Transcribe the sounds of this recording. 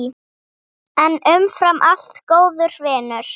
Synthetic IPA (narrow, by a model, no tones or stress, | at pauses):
ɛnʏmfɾamʔal̥t̪koːwðʏɾ̥vɛːnʏɾ̥